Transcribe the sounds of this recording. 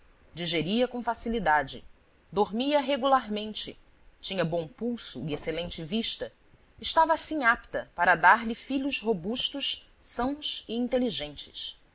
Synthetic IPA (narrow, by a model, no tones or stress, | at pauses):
d͡ʒiʒeɾiɐkõw̃fasilid̪ad͡ʒɪ̰ | d̪oɾmiɐɦeɡulaɾmẽnt͡ʃɪ̰ | t͡ʃĩɲɐbõpuwsʊieselẽnt͡ʃɪviʃt̪ɐ | ɪʃt̪avɐːsĩɲapt̪ɐpaɾɐd̪aɾlifiʎʊzɦobuʃt̪ʊʃ | sɐ̃w̃siĩnt̪eliʒẽnt͡ʃɪ̥s